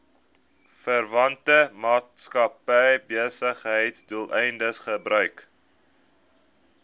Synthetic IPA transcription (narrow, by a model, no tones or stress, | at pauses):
fərvɐntəmɑːtskɐpɛjbiəsəχɦəjtsduəlˠʔɛjndəsχəbrœɥk